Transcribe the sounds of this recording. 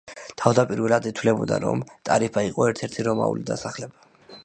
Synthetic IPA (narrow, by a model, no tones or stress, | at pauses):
t̪ʰavd̪apʼiɾvɛlˠad̪it̪ʰwlɛbɔd̪a̰ɾɔ̰mt̪ʼaɾipʰaiqʼɔɛɾt̪ʰɛɾt̪ʰiɾɔma̰ṵlid̪asaχlɛba